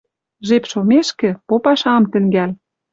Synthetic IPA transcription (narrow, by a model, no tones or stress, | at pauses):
ʒepʃomeʃkɘ̆popɑʃɑmt̪ɘ̆ŋɡæl